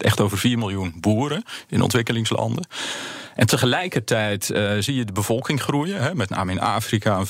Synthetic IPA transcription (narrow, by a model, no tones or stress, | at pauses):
ʔɛ̰xtoːvərviːrmɪlˠjunbuːəɾəɪnʔɔ̰ntʋɪkəlɪŋslɑ̰ndəʔɛntəχəlɛjkərtʰɛjtzijədəbəvɔlˠkɪŋχrujəɦɛmɛtna̰ːməɪna̰ːfrikan